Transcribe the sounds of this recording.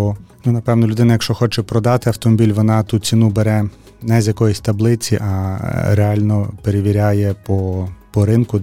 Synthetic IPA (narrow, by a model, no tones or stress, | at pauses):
nunɐpɛʋnɔlʲʊd̪ɪnɐjɐkʃt͡ʃɔxɔt͡ʃɛpɾɔd̪ɑt̪ɪɐwt̪ɔmɔbʲilʲʋɔnɑt̪ut͡sʲinubeɾɛ | nɛzʲjɐkɔjisʲt̪ɐblˠɪt͡sʲiʔɐɾeɑlʲnɔpeɾeʋʲiɾʲɑjɛpɔpɔɾɪnkʊ